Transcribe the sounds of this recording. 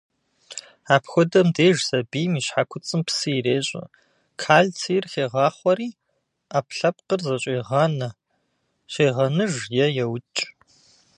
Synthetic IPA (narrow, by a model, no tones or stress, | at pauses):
aːpxʷɔdɐmdeːʒsɐbiːmiːɕħakʷʰʊt͡sʼɨmpsɨreːɕʼɐ̰ | kʰaːɮt͡sʰijrxeːʁɑːχʷɔɾiː | aːpɬɐp̚qərzɐɕʼeːʁɐnɐ | ɕeːʁɐnɨʒjɛjɛwt͡ʃʼ